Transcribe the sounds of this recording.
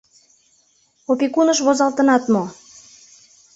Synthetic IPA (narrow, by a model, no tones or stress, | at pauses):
opikunəʃβozɑlt̪ənɑt̪mo